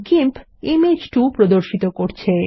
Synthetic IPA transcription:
kimp | imed͡ʑʈupɾod̪oɾʃit̪okoɾt͡ɕʰe

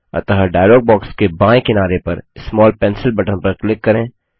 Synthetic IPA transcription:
ɐ̰t̪əɦaɖaːɪlɔːɡ̚bɔːkskebãːẽkɪnaːɾepɐ̰ɾsmɔːlpɛ̃ːnsɪlbɐʈə̃npɐɾklɪkːɐɾẽː

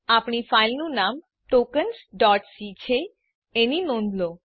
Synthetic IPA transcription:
apɳ̃ifajlnunam | ʈokənsɖɔʈsit͡ɕʰe | eninond̪lo

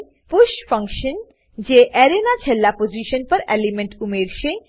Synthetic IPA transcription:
puʃfʌŋkʃən | d͡ʑeʔɛɾenat͡ɕʰelːapod͡ʑiʃənpəɾɛlimeɳʈumeɾʃe

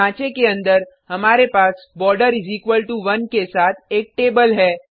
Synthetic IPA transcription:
ãːt͡ʃekeɐ̃nd̪əɾɦɐmaːɾepaːs | bɔːɾɖəɾɪziːkʋəlʈuʋɐnkesaːt̪ʰeːk̚ʈeːbəlɦɛː

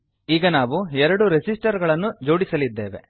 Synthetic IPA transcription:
iːɡɐnaːʋuɛɾɐɽuɾed͡ʒisʈɐɾɡɐɭɐnːud͡ʒo̞ːɽisɐlid̪ːe̞̰ːʋḛ

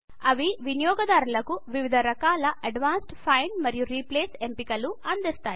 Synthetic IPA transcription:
ɐʋiʋinijɔːɡɐd̪aːɾulɐkuʋiʋid̪ʱɐɾɐkaːlɐʔɐɖʋaːnsʈpʰɐjɳɖmɐɾijuɾiːpleːsempikɐluɐnd̪ist̪aːji

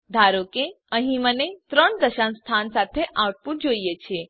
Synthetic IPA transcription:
d̪ʱaɾoke | ə̃ɦĩmənet̪ɾəɳd̪əʃãnst̪ʰansat̪ʰeʔaʋʈ̚pũd͡ʒoijet͡ʃʰe

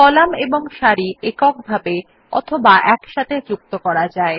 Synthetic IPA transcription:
kɔlameboŋʃaɾiekɔk̚bʱabe | ɔ̰t̪ʰobaʔɛkʃat̪ʰed͡ʑuk̚t̪okɔɾad͡ʑae

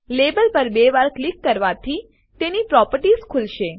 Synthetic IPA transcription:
lebəlpəɾbeʋaɾklikːəɾʋat̪ʰi | t̪enipɾɔpəɾʈizkʰulʃe

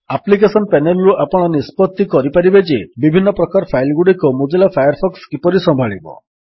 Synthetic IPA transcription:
aplik̬esɔnpɛnelɾuʔapɔɽ̃ɔnispɔt̪ːikɔɾipaɾibed͡ʒebibʱinːɔpɾɔkaɾpʰajlɡuɽikomud͡ʒilapʰajɔɾpʰɔkskipɔɾisɔmbʱaɭibɔ̰

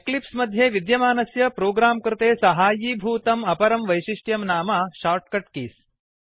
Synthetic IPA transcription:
eklipsmɐd̪ʱjeːʋid̪jɐmaːnɐsjɐpɾoːɡɾaːmkɾɪt̪eːsɐɦaːjibʱuːt̪ɐmɐpɐɾɐmʋɐjʃiʂʈjɐmnaːmɐʃaːɾʈ̚kɐʈkiːs

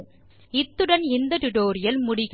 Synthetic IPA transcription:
ɪt̪ːɯɽɐnɪnd̪ɐʈ̪ʊʈoːɾɪjɐlmʊɽɪɣ

